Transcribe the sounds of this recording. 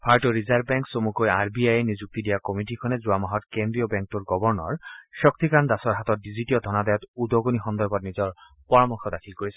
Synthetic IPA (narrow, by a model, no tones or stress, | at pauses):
pʰaɹʈoɹizaɹbbɛŋksomukojaɹbiajenizuk̚t̪idijakɔmiʈikʰɔnezuamɔɦɔt̪kend̪ɹijɔbɛŋk̚tuɹɡɔbɔɹnɔ̰ɹʃɔk̚t̪ikand̪asɔɹɦat̪ɔt̚diziʈiɔd̪ʱɔnad̪ajɔt̪ud̪ɔɡonixɔnd̪ɔɹbɔtnizɔɹ | pɔɹɔmɔxʰɔd̪akʰilkoɹisɛ